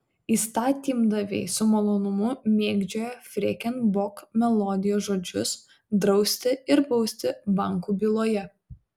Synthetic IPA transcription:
iːst̪ɑːt̪ʲiːmd̪ɐʋʲɛɪsʊmɐlˠoːnʊmʊmʲeːɡd͡ʒʲoːjɛfʲɾʲɛkʲɛnbɔkmʲɛlˠɔːd̪ʲɪjoːsʒoːd͡ʒʲʊs | d̪ɾɒʊsʲt̪ʲɪɪɾbɒʊsʲt̪ʲɪbɑˑŋkuːbʲiːlˠoːjɛ

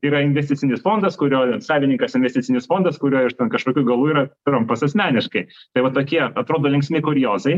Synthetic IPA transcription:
iːɾɐɪnʲʋʲɛsʲtʲɪt͡sʲsʲɪnʲɪsfoːnd̪ɐskʊɾʲoːsɑːʋʲɪnʲɪŋkɐsɪnʲʋʲɛsʲt̪ʲɪt͡ssʲɪnʲɪsfoːnd̪ɐskʊɾʲoːɪʃt̪ʲɛnkɐʃkoːkʲuːɡɐlˠuːiːɾɐt̪ʲʊɾompɐsɛsʲmʲæːnʲɪʃkɐɪt̪ɐɪʋɐt̪oːkʲiɛɐt̪ɾoːd̪oːlʲɛŋksʲmʲɪkʊɾʲjoːzɐɪ

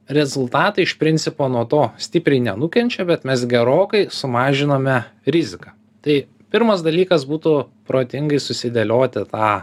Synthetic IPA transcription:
ɾʲɛzʊlˠt̪ɑːt̪ɐɪɪʃpʲɾʲɪnʲt̪sʲɪpoːnuɔt̪oːsʲt̪ʲɪpʲɾʲɛɪnʲɛnʊkʲɛnʲt͡ʃʲɛbʲɛt̪mʲɛsɡʲɛɾoːkɐɪsʊmɑːʒʲɪnoːmʲɛɾʲɪzʲɪkɑː | t̪ɐɪ | pʲɪɾmɐsd̪ɐlʲiːkɐsbuːt̪ʊpɾoːt̪ʲɪŋɡɐɪsʊsʲɪd̪ʲɛlʲoːt̪ʲɪt̪ɑː

